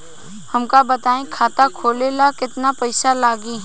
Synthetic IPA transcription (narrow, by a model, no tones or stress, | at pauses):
hɐmkabɐt̪aːẽkʰaːt̪akʰoːlelakɪt̪napɐɪsalaːɡi